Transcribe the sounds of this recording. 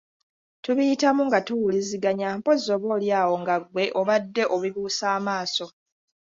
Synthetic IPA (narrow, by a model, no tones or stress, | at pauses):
tuβijitamuŋɡatuwuliziɡaɲampo̞zːo̞βo̞ːljaːwo̞ŋɡaɡwe̞ʔo̞βadːe̞ʔoβiβuːsaːmaːso̞